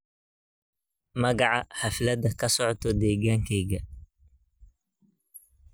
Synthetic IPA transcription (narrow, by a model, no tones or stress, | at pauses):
mɐɣɑʕɑħɑflɐd̪ɐkʰɐsɔʕt̪ʰɔd̪ɛːɣaːŋkʰɛjɡɐ